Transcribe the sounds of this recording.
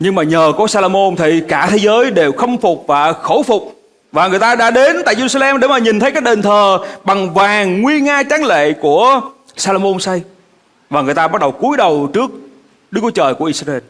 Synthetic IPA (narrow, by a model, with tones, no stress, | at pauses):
ɲɨ˧ŋmaː˨˩ɲəː˨˩kɔ˨˦saː˧lo˧mo˧nt̪ʰi˨kaː˧˩t̪ʰe˨˦zəː˨˦jɗe˨˩wxə˧wŋ͡mfʊ˨˩k͡p̚vaː˨˩xo˧˩wfʊ˨˩k͡p̚ | vaː˨˩ŋɨ˨˩əjt̪aː˧ɗa̰ː˧ɗe˨˦nt̪a̰ː˧˨jze˧ɾu˧sa˧lɛ˧mɗe˧˩maː˨˩ɲi˨˩nt̪ʰə˨˦jkaː˨˥k̚ɗe˨˩nt̪ʰəː˨˩ɓa˨˩ŋvaː˨˩ŋːwi˧əŋaː˧t͡ɕaː˨˦ŋlḛ˧˨ku˧˩ə | saː˧lo˧mo˧nsa˧j | vaː˨˩ŋɨ˨˩əjt̪aː˧ɓa˦˥t̚ɗə˨˩wku˨˦əjɗə˨˩wt͡ɕɨ˦˥ək̚ | ɗɨ˦˥kːu˨˦jt͡ɕəː˨˩jku˧˩əʔi˧sa˧e˧n